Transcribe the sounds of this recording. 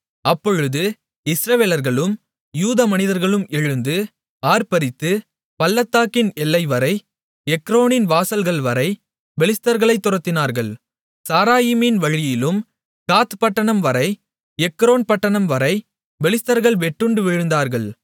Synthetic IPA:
ɐpːɔɻɯðɯ | ɪsɾɐʋeːlɐɾɣɐɭɯm | juːðɐmɐnɪðɐɾɣɐɭɯmɛɻɯnd̪ɯ | aːɾpɐɾɪt̪ːɯ | pɐlːɐt̪ːaːkɪnɛlːɐɪʋɐɾɐɪ | ɛkːɾoːnɪnʋaːsɐlɣɐɭʋɐɾɐɪ | ʋɛlɪst̪ɐɾɣɐɭɐɪt̪ːʊɾɐt̪ːɪnaːɾɣɐɭ | saːɾaːjimɪnʋɐɻɪjɪlɯm | kaːt̪pɐʈːɐɳɐmʋɐɾɐɪ | ɛkːɾoːnpɐʈːɐɳɐmʋɐɾɐɪ | ʋɛlɪst̪ɐɾɣɐɭʋɛʈːɯɳɖɯʋɪɻɯnd̪aːɾɣɐɭ

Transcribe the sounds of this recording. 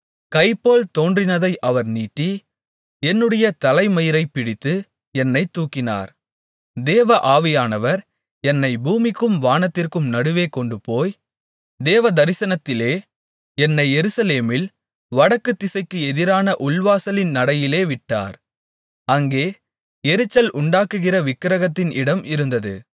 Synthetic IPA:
kɐɪpːoːlt̪oːndrɪnɐðɐɪʔɐʋɐɾniːʈːi | ɛnːɯɽɐjɐt̪ɐlɐɪmɐjɪɾɐɪpːɪɽɪt̪ːɯ | ɛnːɐɪt̪ːuːkːɪna̰ːɾ | d̪eːʋɐʔaːʋɪjaːnɐʋɐɾ | ɛnːɐɪbuːmɪkːɯmʋaːnɐt̪ːɪrkɯmnɐɽɯʋeːkɔɳɖɯpoːj | d̪eːʋɐd̪ɐɾɪsɐnɐt̪ːɪleː | ɛnːɐɪɛɾɯsɐleːmɪl | ʋɐɽɐkːɯt̪ːɪsɐɪkːɯɛðɪɾaːnɐʔʊlʋaːsɐlɪnnɐɽɐjɪleːʋɪʈːa̰ːɾ | ɐŋɡeː | ɛɾɯt͡ʃːɐlʔʊɳɖaːkɯɣɪrɐʋɪkːɪɾɐɣɐt̪ːɪnʔɪɽɐmɪɾɯnd̪ɐðɯ̰

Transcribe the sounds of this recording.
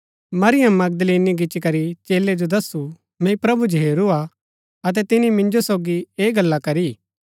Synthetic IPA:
mɐɾɪjəmːɐɡ̚d̪liːniɡɪt͡ʃikɐɾit͡ʃeːled͡ʒod̪ɐsu | mɛ̃ipɾɐbud͡ʒɦeːɾua | ɐt̪ɛt̪ɪnimɪ̃nd͡ʒosoːɡieːɡɐlːakɐɾi

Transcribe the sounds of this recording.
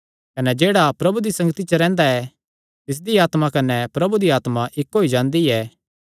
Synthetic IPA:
kɐnɛd͡ʒeːɽapɾɐbud̪isɐ̃ŋɡət̪it͡ʃɐɾɛ̃ːnd̪aɛ | t̪ɪs̬d̪iaːt̪makɐnɛpɾɐbud̪iaːt̪mãʔɪkːoːid͡ʒãːnd̪iɛː

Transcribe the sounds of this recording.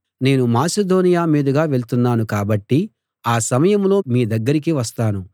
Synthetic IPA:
ne̞ːnumaːsed̪o̞ːnijaːmiːd̪ɐɡaːʋe̞ɭt̪unːaːnukaːbɐʈːi | aːsɐmɐjɐmlo̞ːmiːd̪ɐɡːɐɾik̬iʋɐst̪aːnu

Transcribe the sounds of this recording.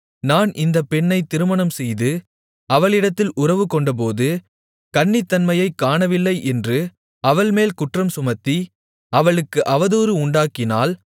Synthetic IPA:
naːnʔɪnd̪ɐpːɛɳːɐɪt̪ːɪɾɯmɐnɐmsɛjðɯ | ɐʋɐɭɪɽɐt̪ːɪlʔʊrɐʋɯkɔɳɖɐp̬oːðɯ | kɐɳːɪt̪ːɐnmɐjɐɪkːaːɳɐʋɪlːɐɪʔɛndrɯ | ɐʋɐɭmeːlkʊʈrɐmsʊmɐt̪ːi | ɐʋɐɭɯkːɯʔɐʋɐðoːɾɯʊɳɖaːkɪnaːl

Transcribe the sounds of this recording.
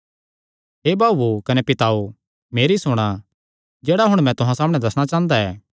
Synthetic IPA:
ɦeːbaːbukɐnepɪt̪aːo | meːɾisʊɽ̃a | d͡ʒɛːɽaɦʊɽ̃mɛ̃t̪ʊɦãsaːmɽ̃ɛ̃d̪ɐsɽ̃at͡ʃãːnd̪aɛː

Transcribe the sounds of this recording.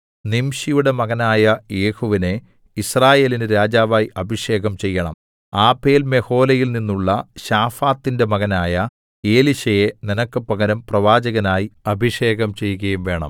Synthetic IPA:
nimɕijuɽe̞mɐɣɐnaːjɐje̞ːhuʋine | israːje̞ːlinɨɾaːd͡ʑaːʋaːjiʔɐbʱiʂe̞ːɣɐmt͡ɕe̞jːɐɳɐ̰m | aːpe̞ːlme̞ho̞ːlɐjilninːuɭːɐɕaːfaːt̪ːinde̞mɐɣɐnaːjɐ | e̞ːliɕɐjeninɐkːɨpɐɣɐɾɐmprɐʋaːd͡ʑɐɣɐnaːjiɐbʱiʂe̞ːɣɐmt͡ɕe̞jːuɣɐjumʋe̞ːɳɐ̰m

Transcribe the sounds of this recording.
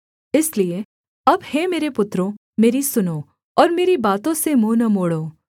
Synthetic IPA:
ɪslie | ɐbhemeːɾepʊt̪ːɾõ | meːɾisʊnoː | ɔːɾmeːɾibaːt̪õsemoːnɐmoːɽoː

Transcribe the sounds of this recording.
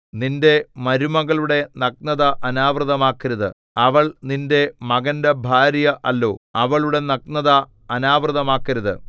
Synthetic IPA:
ninde̞mɐɾumɐɣɐɭuɽe̞nɐk̚nɐðɐʔɐnaːʋrɨðɐmaːkːɐɾɐðɨ̰ | ɐʋɐɭninde̞mɐɣɐndebʱaːɾjɐʔɐlːo̞ːɐʋɐɭuɽe̞nɐknɐðɐː | naːʋrɨðɐmaːkːɐɾɐðɨ̰

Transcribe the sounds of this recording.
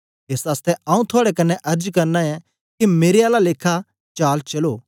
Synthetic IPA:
eːsaːst̪ɛãːũt̪ʰoaːɽɛkɐnːɛʔɐɾd͡ʒkɐɾnaɛ̃ | kimeːɾeaːlaleːkʰa | t͡ʃaːlt͡ʃɐloː

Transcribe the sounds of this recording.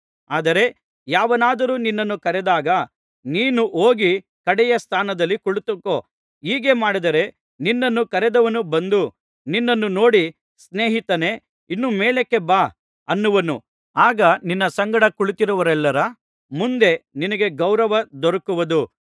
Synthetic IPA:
aːd̪ɐɾe̞ | jaːʋɐnaːd̪ɐɾuːninːɐnːukɐɾɛd̪aːɡɐ | niːnuʔoːɡi | kɐɽɛjɐst̪ʰaːnɐd̪ɐlːikuɭut̪ukːoː | iːɡe̞maːɽid̪ɐɾe̞ | ninːɐnːukɐɾɛd̪ɐʋɐnubɐnd̪u | ninːɐnːuno̞ːɽi | sne̞ːɦit̪ɐne̞ | inːumeːɭekːe̞baː | ɐnːuʋɐnṵ | aːɡɐninːɐsɐŋɡɐɽɐkuɭit̪iɾuʋɐɾɛlːɐɾɐ | mund̪e̞ninɐɡe̞ɡɐwɾɐʋɐd̪ɔɾɐkuʋɐd̪u

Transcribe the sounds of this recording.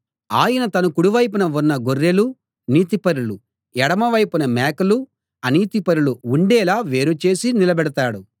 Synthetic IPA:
aːjɐnɐt̪ɐnukuɽuʋɐjp̬unɐunːɐɡorːelu | niːt̪̬ipɐɾulu | ɛɽɐmɐʋɐjpunɐmɛːkulu | ɐniːt̪ipɐɾuluuɳɖɛːlaːʋe̞ːɾut͡ʃe̞ːsinilɐbɛɽɐt̪aːɽu

